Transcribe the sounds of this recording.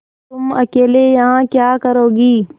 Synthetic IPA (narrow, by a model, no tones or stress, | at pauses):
t̪ʊmɐkeːlejɐɦãkjaːkɐɾoːɡiː